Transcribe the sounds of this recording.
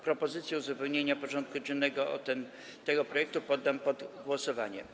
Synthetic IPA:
pɾɔpɔzɘt̪sʲjɛuzupɛwɲeɲapɔʐɔnt̪̚kud͡ʑɛnːɛɡɔɔ̰t̪ɛn | t̪ɛɡɔpɾɔjɛk̚t̪upɔd̪ːampɔd̪ɡwɔsɔvaɲɛ̰m

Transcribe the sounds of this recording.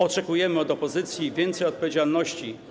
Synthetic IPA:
ɔt͡ʂɛkujɛmɘɔd̪ɔpɔzɘt̪sʲjivʲjɛnt̪sɛjɔt̪̚pɔvʲjed͡ʑalnɔɕt͡ɕi

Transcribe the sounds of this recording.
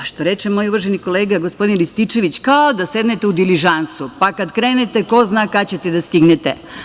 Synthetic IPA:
aʃt̪oɾe̞t͡ʃemo̞juʋrʒeniko̞leːɡaɡospo̞d̪inlist̪it͡ʃe̞ʋit͡ɕkaod̪ase̞d̪net̪eud̪iliʒansupakad̪kɾeːnet̪eko̞znaːkat͡ɕet̪ed̪ast̪iɡnet̪ḛ

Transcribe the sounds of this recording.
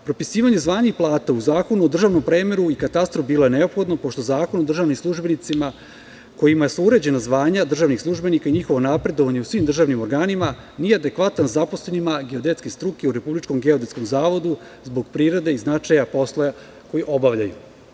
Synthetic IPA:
pɾo̞pisiːʋaɲe̞zʋaːɲixplˠaːt̪auzaːko̞nuo̞d̪r̩ʒaʋno̞mpɾe̞ːme̞ɾuikat̪ast̪ɾofbiːloeneo̞pxo̞d̪no̞po̞ʃt̪o̞zaːko̞nod̪r̩ʒaːʋnimslˠuʒbe̞nit̪sima | ko̞jimaje̞suuɾe̞d͡ʑe̞nazʋaːɲad̪r̩ʒaːʋnixslˠuʒbe̞nikaiɲixo̞ʋo̞napɾe̞d̪o̞ʋaɲe̞usʋimd̪rʒaʋnimo̞ɾɡaːnima | nijead̪e̞kʋat̪anzapo̞sle̞nimaɡe̞o̞d̪e̞t̪skest̪ɾuke̞uɾe̞publit͡ʃkomɡe̞od̪e̞t̪sko̞mzaːʋo̞d̪u | zbo̞ɡpɾiɾe̞d̪e̞iznat͡ʃajapo̞slˠoja | ko̞jiʔo̞baʋʎaju

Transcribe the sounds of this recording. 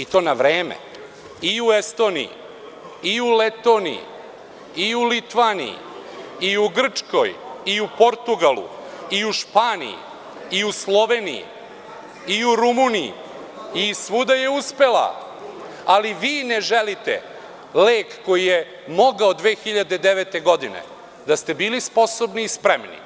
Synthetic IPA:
it̪o̞ːnaʋɾeːmḛ | iuest̪o̞ːnḭḭ | iulet̪o̞ːnḭḭ | iulit̪ʋaːnḭḭiuɡr̩t͡ʂko̞̰jiupo̞ɾt̪uɡalṵiuʃpaːnḭḭ | iuslˠo̞ʋe̞ːnḭḭ | iuɾumuniḭ | isʋud̪ajeuspe̞la̰ | aliʋiːneʒelit̪ḛ | leːkːo̞jije | mo̞ɡaod̪ʋe̞ːxiʎad̪ed̪eʋet̪e̞ɡo̞d̪inḛ | d̪ast̪e̞biːlispo̞sobniːspɾemnḭ

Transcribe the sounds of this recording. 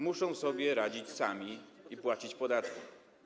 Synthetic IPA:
muʂɔ̃w̃sɔbʲjɛɾad͡ʑit͡ɕsamʲiipwat͡ɕit͡ɕpɔd̪at̪kʲi

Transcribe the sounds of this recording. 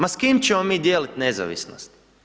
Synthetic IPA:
maskiːmt͡ʃemomiːd̪jeːlit̪neza̰ʋḭsno̰st̪

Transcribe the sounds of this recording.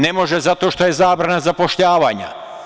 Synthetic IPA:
nemo̞ʒezat̪o̞ːʃt̪o̞je̞zaːbɾanazapo̞ʃʎaːʋaːɲa̰

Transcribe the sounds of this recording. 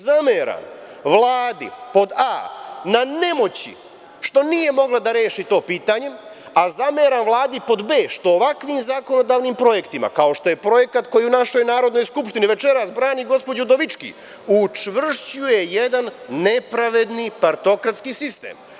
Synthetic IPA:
zameɾa̰m | ʋlˠaːd̪ḭpo̞d̪aːnane̞mo̞t͡ɕḭ | ʃt̪o̞nije̞mo̞ɡlˠad̪aɾe̞ːʃit̪o̞ːpiːt̪aɲe̞ | azameːɾamʋlˠaːd̪ipo̞d̪be̞ːʃt̪o̞ːʋakʋimzako̞no̞d̪aːʋnimpɾo̞je̞kt̪ima̰kao̞ʃt̪o̞je̞pɾo̞je̞kat̪ko̞jiunaʃo̞jnaːɾo̞d̪no̞jskupʃt̪iniʋe̞t͡ʃe̞ɾasbɾaːniɡo̞spo̞d͡ʑud̪o̞ʋit͡ʃkḭ | ut͡ʃʋr̩ʃt͡ɕuje̞jed̪anːe̞pɾaʋe̞d̪nipaɾt̪o̞kɾat̪skiːsist̪ḛːm

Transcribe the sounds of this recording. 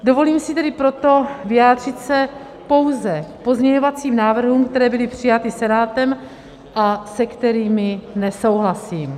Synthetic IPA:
do̞vo̞liːmsɪt̪ɛdɪpɾo̞t̪o̞vɪjaːd̪r̝̥ɪt̪sɛ | po̞wzɛpo̞zɲɛɲo̞vat͡siːmnaːvr̩ɦuːmkt̪ɛɾɛːbɪlɪpr̝̥ɪjat̪ɪsɛnaːt̪ɛm | ʔasɛkt̪ɛɾiːmɪnɛso̞wɦlasiːm

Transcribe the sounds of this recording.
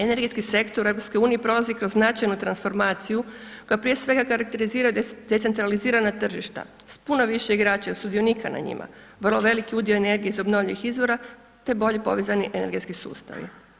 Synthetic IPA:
ene̞ɾɡet̪skise̞kt̪o̞ɾe̞vɾopskouːniepɾo̞lazikɾozːnat͡ʃajnut̪ɾansfo̞ɾmaːt̪sijuko̞japɾije̞sʋe̞ɡakaɾak̚t̪e̞ɾiziːɾajud̪et̪sent̪ɾaliziːɾanat̪r̩ʒiʃt̪a̰ | spunoʋiʃeiɡɾaːt͡ʃasud̪ionikʰana̰ɲḭmʔa̰ | ʋr̩lˠo̞ʋe̞likiud̪io̞ene̞ɾɡieizo̞bno̞ʋʎaixizʋo̞ɾa | t̪e̞bo̞ʎepo̞̰ʋezaniʔene̞ɾɡe̞t̪skisṵːst̪a̰ʋḭ

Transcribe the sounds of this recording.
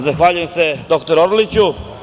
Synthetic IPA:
zaxʋaːʎujemse̞d̪o̞kt̪oɾoɾlit͡ɕu

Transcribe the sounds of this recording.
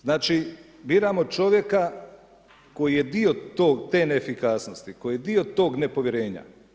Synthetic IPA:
znaːt͡ʃibiːɾamo̞t͡ʃo̞ʋje̞ka | ko̞jije̞d̪iot̪oːɡt̪e̞ːnefikaːsno̞st̪iko̞jijed̪iot̪o̞ːɡne̞po̞ʋjeɾe̞ːɲa̰

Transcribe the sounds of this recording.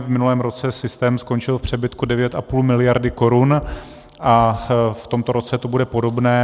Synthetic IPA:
vmɪnulɛːmɾo̞t͡sɛsɪst̪ɛːmsko̞nt͡ʃɪlfpr̝̥ɛbɪt̪kudɛvjɛt̪ʔapuːlmɪlɪjaɾdɪko̞ɾun | ʔaft̪o̞mt̪o̞ɾo̞t͡sɛt̪o̞budɛpo̞do̞bnɛː

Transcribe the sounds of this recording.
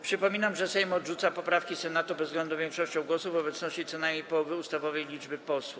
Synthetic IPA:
pʂɘpɔmʲinamʐɛsɛjmɔd̪ʐut̪sapɔpɾafkʲisɛnat̪ubɛzɡlɛnd̪uvʲjɛŋkʂɔɕt͡ɕɔ̃w̃ɡwɔsuvɔbɛt̪snɔɕt͡ɕit̪sɔnajmʲɲejpɔwɔvɘust̪avɔvɛjlʲid͡ʐbɘpɔswu

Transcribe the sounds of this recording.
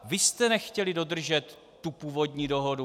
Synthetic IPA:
vɪst̪ɛnɛxcɛlɪdo̞d̪r̩ʒɛt̪ː | upuːvo̞dɲiːdo̞ɦodu

